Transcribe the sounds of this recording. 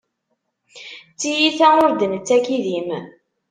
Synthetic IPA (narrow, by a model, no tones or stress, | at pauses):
t͡sːijiθæʊɾd̪ənət͡sːækiðim